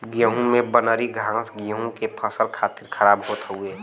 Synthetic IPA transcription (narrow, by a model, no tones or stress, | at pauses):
ɡijəɦũmẽbənəɾiɡʱãːsɡijəɦũkepʰəsəɾkʰaːt̪ɪɾkʰəɾaːbɦoːt̪ɦueː